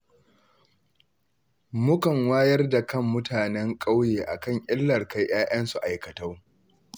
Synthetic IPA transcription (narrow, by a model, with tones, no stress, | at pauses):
mʊ˦kɐ˨ŋwaː˦jɐ˦rda˨kɐ˦˨mːʊ˦tʰaː˨nɛ˦ŋkʼa˦wjeː˨ʔa̰˨kɐ˦˨ŋʔʲʼɪ˦lːɐ˨rka˦jʔj̰aː˦j̰ɐ˦nsu˨ʔa˨jkɐ˨tɐ˦r